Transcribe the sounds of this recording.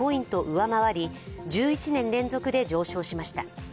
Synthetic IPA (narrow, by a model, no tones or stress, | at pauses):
o̞ĩnt̪o̞ʔɯ̟βamaβaɾʲid͡ʑɨːit͡ɕinẽ̞nɾẽ̞nd͡zo̞kɯ̟d̪e̞d͡ʑo̞ːɕo̞ːɕimaɕi̥t̪a